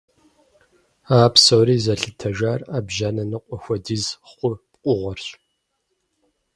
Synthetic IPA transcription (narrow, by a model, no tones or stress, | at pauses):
aːpsowɾiːzɐɬɨtʰɐʒaːraːbʒanɐnɨqʷʼɔxʷɔdizχʷʊpqʷʼʊʁʷɔrɕʼ